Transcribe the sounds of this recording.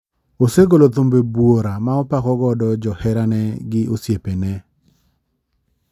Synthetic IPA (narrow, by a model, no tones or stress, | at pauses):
oseɡolot̪ombebwoɾamaɔpakɔɡɔdɔd͡ʒɔhɛɾanɛɡɪʔosjepenɛ